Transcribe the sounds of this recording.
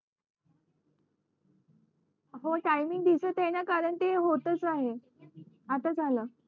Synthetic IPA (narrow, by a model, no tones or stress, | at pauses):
ɦoʈajmiŋɡd̪isəːt̪enjakaɾəɳt̪eɦot̪ət͡saɦe | at̪ad͡zʱaləː